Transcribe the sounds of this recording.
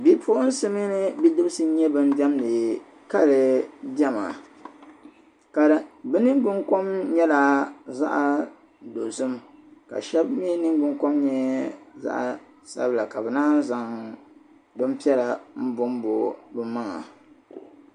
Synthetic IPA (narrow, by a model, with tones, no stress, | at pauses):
bi˦pʰʊ˦ʔʊ˦n̩˦sɨ˦mi˦nɨ˦bi˦dɨ˦bsɨ˦ɲɛ˦bɨ˦n˦bɛ˦mlɨ˨ | ka˦lɨ˨bɛ˦ma̰˨ | ka˨bɛ˦nɨ˦ŋ˦ɡ͡bɨ˦ŋko˦mɲɛ˦la˨za̰˦ʔa˨ | do˨zɨ˦mka̰˨ʃɛ˦bm˦ɛ˦nɨ˦ŋ˦ɡ͡bɨ˦ŋko˦mɲɛ˦ɛ˦za̰˦ʔa˨ | sa̰˦bla˨ka˨bɨ˨naː˦nza˨ŋ | bɨ˦m˦pi˦ɛ˦la˨m̩˦bʊ˦mbo˨bɨ˦maː˦a˨